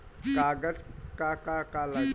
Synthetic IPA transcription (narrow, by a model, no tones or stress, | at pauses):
kaɡət͡skakakala